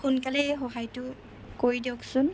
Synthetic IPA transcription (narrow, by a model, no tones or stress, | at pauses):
xunkalɛxɔɦajtʊ | koɹidiɔksʊn